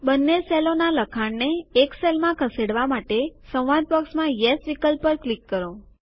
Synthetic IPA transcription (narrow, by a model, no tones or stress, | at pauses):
bənːeselonaləkʰaɳneːkselmãkʰəseɽʋamaʈesə̃wʋad̪̚pəksmãjesʋikəlpəɾklikːəɾo